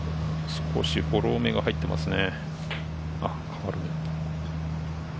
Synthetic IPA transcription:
sɨ̥kʰo̞̰ɕiho̞ɾo̞ːme̞ɡahait̪ːe̞mʔa̰sɨne̞ | a | kʰaβaɾɯne

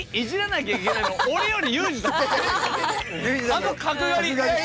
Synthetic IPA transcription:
iʑiɾanaɡeɡet̪emooɾe̞jo̞ɾʲijɯːd͡ʑi | anokakɯjoɾʲi

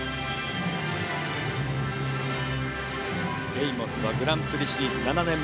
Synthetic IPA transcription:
ɾeimot͡sɨβaɡɯ̟ɾãnt̪ɯɾʲiɕiɾʲiːzɨnananẽ̞m

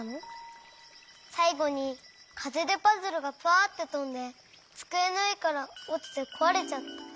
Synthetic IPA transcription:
nɯ | saiɡoɲi | kʰad͡ʑed̪e̞pazɯɾoɡapʰɯat̪ːet̪oɯnd̪e̞ | t͡sɯ̥kɯenɯikaɾaot̪ɯ̥sekʰoaɾet͡ɕaa

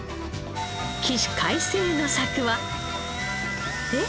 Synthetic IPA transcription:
kʲiɕi̥kʰaisɨːno̞sakɯ̟βa | e

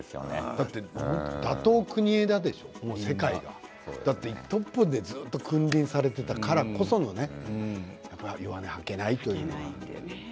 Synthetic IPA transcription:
o̰d̪̥at̪ːe̞hõnt̪od̪at̪o̞ːkɯ̟ɲ̟ie̞d̪ad̪e̞ɕo̞mo̞ːse̞kaiɡa̰ | d̪at̪ːeit̪ːo̞pːɯ̟d̪e̞zɨːt̪ːo̞kɯ̟̃ndʲĩɰ̃saɾe̞t̪e̞t̪akaɾako̞so̞no̞ne̞ | japːajoβanehake̞nait̪o̞jɯ̟ːneie

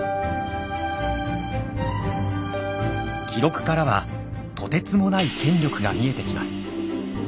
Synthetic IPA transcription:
kʲʰiɾo̞kɯ̟̥kaɾaβa | t̪ʰo̞t̪e̞t͡sɨmo̞naikʰẽ̞ɲɾʲo̞kɯ̟ɡa̰mʲie̞t̪e̞kʲima̰sɨ̥

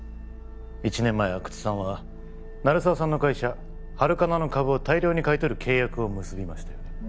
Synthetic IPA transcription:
it͡ɕinẽ̞mːaeakɯ̟̥t͡si̥sãβa | naɾɯ̟saːsãnːo̞kaiɕa | haɾɯ̟kanano̞kabɯ̟ot̪aiɾʲo̞ːɲ̟ikait̪o̞ɾɯ̟kʰe̞ːjakɯ̟o̞mɯ̟sɨbʲimaɕi̥t̪ajone

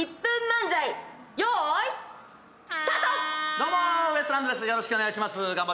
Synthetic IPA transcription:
ipːɯ̟̃mːãnzaijoi | st̪at̪od̪o̞ːmoβesɯɾand̪od̪esɨjo̞ɾoɕi̥kɯo̞neaiɕ̬imasɨɡãmba

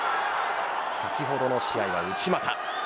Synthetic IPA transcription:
sakʲiɦo̞d̪o̞no̞ɕiaiβa̰ɯ̟t͡ɕimat̪a

